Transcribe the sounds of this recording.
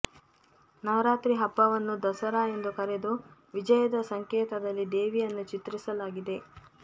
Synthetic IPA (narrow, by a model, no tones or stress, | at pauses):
nɐʋɾaːt̪ɾiɦɐpːɐʋɐnːud̪ɐsɐɾae̞nd̪ukɐɾed̪uʋid͡ʒɐjɐd̪ɐsɐŋkeːt̪ɐd̪ɐlːid̪e̞ːʋijɐnːut͡ʃit̪ɾisɐlaːɡid̪e̞